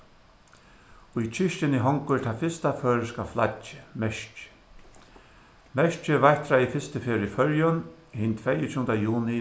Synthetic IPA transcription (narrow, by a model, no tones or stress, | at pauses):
ʊjt͡ʃʰɪʃt͡ʃɪnɪɦɔŋkʊt̪ʰaːfɪst̪afœːɹɪskafla̰t͡ʃːɪ̥mɛʂt͡ʃ | mɛʃt͡ʃɪvajht̪ɾajɪfɪst̪ɪfeːɾɪfœɹjɔn | hɪnt̪ʰvɛjɪt͡ʃʰuːnt̪ajuːnɪ